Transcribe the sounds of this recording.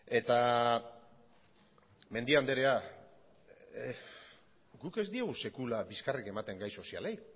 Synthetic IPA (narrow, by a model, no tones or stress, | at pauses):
e̞t̪a | me̞nd̪iand̪e̞ɾe̞a | ɡuke̞zd̪ieɣ̞use̞kulabiskarike̞mat̪e̞ŋɡajso̞sia̰lej